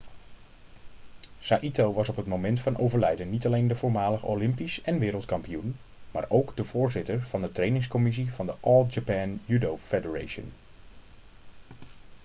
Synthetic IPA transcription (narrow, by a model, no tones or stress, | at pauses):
saːʔitowʋɑsɔpɦətmomɛntfɑnʔo̰wvəɹlɛjdənːitɑlejndəvoʊːɹmaːləχəo̰wlɪmpisɛnʋɪːɾəlˠtkɑmpijun | ma̰ːɹʔowɡdəv̥ʊːɹzɪtəɹv̥ɑndətrejnɪŋskɔmɪs̬iv̥ɑndəʔɔlˠd͡ʒapaːnjydowfedəɹḛjʃə̰n